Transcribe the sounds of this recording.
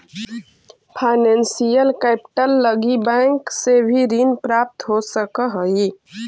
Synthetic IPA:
pʰaɪnensijəlkɛpʈəlːəɡibɛ̃ŋksebʱiɾinpɾap̚t̪ɦosəkəɦəi

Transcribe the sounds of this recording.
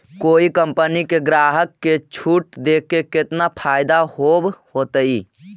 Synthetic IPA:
koːikəmpənikeɡɾaːɦəkːet͡ʃʰuʈd̪ekeket̪napʰaːɪd̪ahobhot̪əi

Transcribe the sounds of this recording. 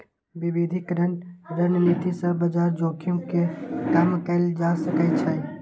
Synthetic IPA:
bibid̪ʱɪkɾənɾənənit̪isə̃bəd͡ʒaɾd͡ʒoːkʰijũkekamkəld͡ʒasəkɛt͡ʃʰə

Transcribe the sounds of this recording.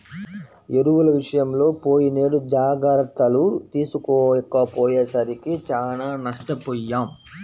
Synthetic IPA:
eɾuʋulɐʋiʂɐjɐmlo̞ːpo̞ːjine̞ːɽud͡ʒaːɡɐɾɐt̪ːɐlut̪iːsukoːkːɐpoːjeːsɐɾikit͡ʃaːnaːnɐʂʈɐpɔːjːaːm

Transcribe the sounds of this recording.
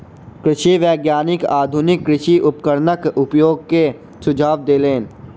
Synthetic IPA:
kɾɪʃiʋɛːɡjaːnɪkaːd̪ʱʊnɪkːɾɪʃiʔʊp̚kəɾnəkʊpjoːɡ̚ke | sʊd͡ʒʱaːʋd̪eːleːn

